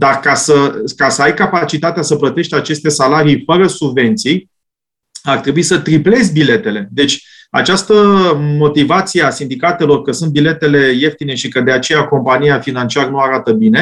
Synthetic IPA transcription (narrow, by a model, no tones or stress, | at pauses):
d̪arkasəkasəajkapat͡ʃit̪at̪easəplət̪e̞ʃt̪at͡ʃe̞st̪e̞salaɾijfəɾəsubve̞nt̪sij | art̪ɾebuisət̪ɾiple̞zbile̞t̪e̞le̞d̪e̞t͡ʃʲ | a̰t͡ʃast̪əmo̞t̪ivat̪sijeasind̪ikat̪e̞lo̞rkəsunt̪̚bile̞t̪e̞le̞je̞ft̪ine̞ʃikəd̪e̞at͡ʃe̞jako̞mpanijafinant͡ʃiaɾənuaɾat̪əbine̞